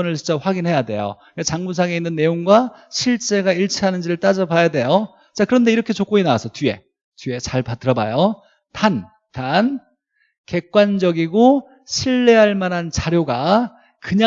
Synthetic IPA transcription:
ʌnɯɭt͡ɕint͡ɕ͈aɸwaɡinhe̞jade̞̰jo̰ | kat͡ɕaŋmusʰaŋe̞inːɯnːe̞joŋɡwaɕʰiɭt͡ɕ͈e̞ɡaiɭt͡ɕʰiɦanɯnd͡ʑiɾɯɭt͈ad͡ʑʌbajade̞jo | t͡ɕakɯɾʌnde̞iɾʌkʰe̞t͡ɕok͈oinawasʰʌtie̞̰ | tɥe̞t͡ɕaɭpat͈ʰɯɾʌba̰jo | tan | tan | ke̞k̚k͈wand͡ʑʌɡiɡo | ɕʰiɭːe̞ɦaɭmanɦant͡ɕaɾjoɡa | kɯɲa

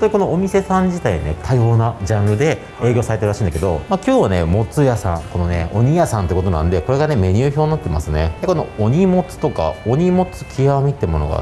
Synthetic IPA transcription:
õt̪oɲiko̞noomʲise̞sãɲ̟d͡ʑit̪aḭne̞̰t̪ʰajo̞ːnad͡ʑãnɾɯ̟d̪e̞ | e̞ːɡʲo̞ːsaɾeɯɾaɕĩːnd̪ake̞d̪o̞̰makʲo̞ːβane̞mo̞t͡sɨjasã̰ŋko̞no̞ne̞̰o̞̰ɲ̟ijasãnt̪eiɯko̞t̪o̞nã̰nd̪e̞ko̞ɾe̞ɡane̞me̞ɲʲɨːço̞ːɲːat̪ːema̰sɨne̞d̪eko̞no̞̰oɲ̟imo̞t͡sɨ̥t̪o̞ka̰o̞ɲ̟imo̞t͡sɨ̥kʲʰiamʲit̪ːemo̞no̰ɡa̰

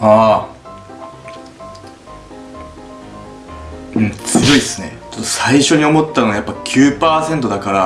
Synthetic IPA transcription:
aː | ɯ̃ɴt͡sɨjo̞isɨne̞̰t͡ɕot̪ːosaiɕo̞ɲ̟io̞mo̞t̪ːanoajapːakʲʰɨːpaːsẽ̞nt̪o̞d̪akaɾa

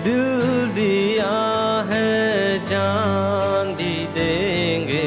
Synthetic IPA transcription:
d̪ɪld̪iaːɦɛd͡ʒaːnd̪i | d̪eːŋɡeː

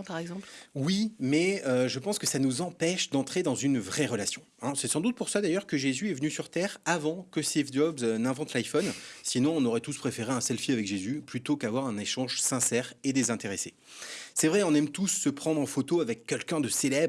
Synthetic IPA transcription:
paʁɛɡzɑ̃pwimɛøʒəpɑ̃skəsanuzɑ̃pɛʃd̪ɑ̃t̪χed̪ɑ̃zynvʁɛʁəlasjɔ̃ɛ̃sɛsɑ̃d̪ut̪̚puʁsad̪ajœʁkəʒezyɛvənysyʁt̪ɛːʁavɑ̃kəsevd̪ɔbznɛ̃vɑ̃t̪lajfɔnsinɔ̃ɔ̃nɔʁɛt̪uspχefeʁeɛ̃sɛlfiavɛkʒezyplyt̪okavwaʁɛ̃neʃɑ̃ʒsɛ̃sɛːʁed̪ezɛ̃t̪eʁese | sɛvʁɛɔ̃nɛmt̪usːəpχɑ̃d̪ʁɑ̃fot̪oavɛkʰːɛlkʲɛ̃d̪əselɛb

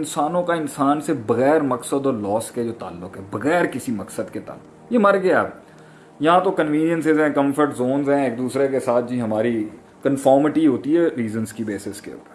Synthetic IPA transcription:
ɪnsaːnõkaɪnsaːnsebɐɣɛːɾmɐksəd̪ɔːɾlɔːsked͡ʒoːt̪a̰ːlːʊkɦɛːbɐɣɛːɾkɪsimɐksəd̪ket̪a̰ːlːʊkkjemɐɾɡɐjab | jɐɦãt̪okɐnʋiːnijə̃nsɪzɦɛ̃ːkɐ̃mfʰəɾʈzoːnzɦɛ̃eːk̚d̪uːsɾekesaːt̪̚ʰd͡ʒiːɦɐmaːɾi | kənfɔːɾmɪʈiɦoːt̪iɦɛːɾiːzənskibeːsɪskḛʊ̰pəɾ

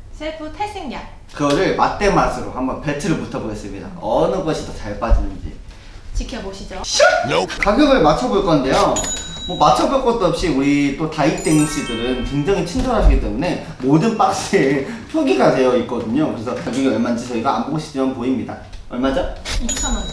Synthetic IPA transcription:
sʰepʰutʰesʰeŋɲa | kɯɡʌɾɯɭmat͈e̞masʰɯɾo̰hambʌnpe̞tʰɯɾɯɭputʰʌboɡe̞s͈ɯmɲida̰ʌnɯɡʌɕʰitot͡ɕaɭp͈ad͡ʑɯnɯnd͡ʑḭ | t͡ɕikʰjʌboɕʰid͡ʑoɕkaɡjʌɡɯɭmat͡ɕʰʌboɭk͈ʌnde̞jomʌmat͡ɕʰʌboɭk͈ʌt͈ʌp̚ɕ͈iuɾit͈otait͈eŋiɕ͈idɯɾɯnkweŋd͡ʑaŋit͡ɕʰind͡ʑoɾɦaɕʰiɡit͈e̞mune̞ | modɯnp͈ak̚s͈epʰjoɡiɡatʰe̞jʌit̚k͈ʌdɯɲokɯɾe̞sʰʌaɡjʌɡeɡemand͡ʑisʰʌiɡaamboɡoɕʰi̥t͡ɕ͈imanpoimɲida | ʌɭmad͡ʑait͡ɕʰam

